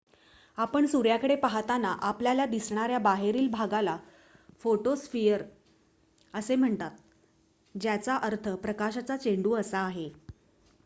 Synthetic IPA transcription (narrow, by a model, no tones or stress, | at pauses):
apəɳsuɾjakəɽepaɦat̪anaʔapljalad̪isɳ̃aɾjabaɦeɾiːlbʱaɡala | foʈosfijəɾ | əsem̤əɳt̪at̪̚ | d͡ʑjat͡saʔəɾt̪ʰəpɾəkaɕat͡sat͡ɕeɳɖuːəsaːɦe